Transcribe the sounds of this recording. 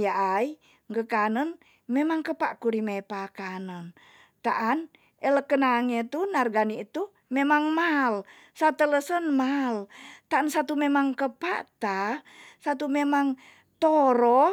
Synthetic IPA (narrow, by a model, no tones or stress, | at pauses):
jaʔai | ŋɡəkanən | memaŋkəpa̰ʔkuɾimepakanən | t̪aʔan | ʔeləkənaŋet̪unarɡaniːt̪u | memaŋmal | sat̪ələsənmalt̪aʔansat̪umemaŋkəpa̰t̪asat̪umemaŋ | t̪oɾɔ